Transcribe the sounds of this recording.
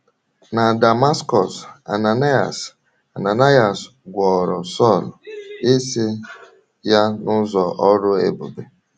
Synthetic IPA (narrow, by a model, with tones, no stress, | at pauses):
na˨da˨ma˦skɔ˨sa̰˨na˨na˦a̰˨s | a˨na˨na˦ja˨s | ɡʷɔ˨ɾɔ˨sɔ˦˨le˦se˦ | ja˦nʊ˦zɔ˨ʔɔ˦ɾʊ˦ḛ˨bʊ˨be˨